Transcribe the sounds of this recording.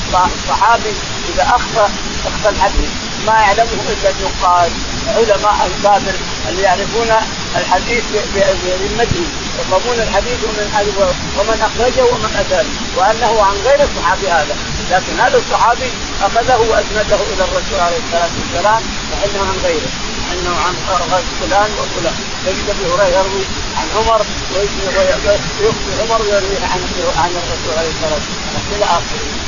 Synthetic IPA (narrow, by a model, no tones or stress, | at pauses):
baʕnɑsˤːɑħɑːbi | ʔɪðaʔaxt̪ɑ | ʔaxt̪ɑlħad̪iːθ | majaʕlamhuʔɪlːalnʊqɑːl | ʕʊlamaːʔalsaːbɪɾ | ʔa̰lːijaʕɾɪfuːna | ʔalħad̪iːθbblɪlmat̪hi | jqamuːnalħad̪iːθwɪmanʔad͡ʒwa | wɪmanʔaxɾˤɑd͡ʒahuwɪmanʔasal | wɪʔanːahuʕanɣeːɾɑsˤːɑħɑːbihaːða | laːkɪnhalɑsˤːɑħɑːbi | ʔaxaðahuwɪʔasnad̪ahuʔɪlarˤːɑsuːlʕaleːhɪsːalaːmasːalaːm | lɪʔɪnːahuʕanɣeːɾɪ | lɪʔɪnːahuʕanqɑɾˤɣɑt̪fʊlaːnwɪlfʊlaːn | fajɪʃt̪afihʊɾɑjɑɾwi | ʕanʕʊmɑɾˤ | wɪjɪsj | jʊxbiʕʊmɑɾˤwɪjɑɾwiːhʕa̰n | ʕanɨrˤːɑsuːlʕalejhɪsːɑlaːm | alakɪlːaʔaːxaɾiː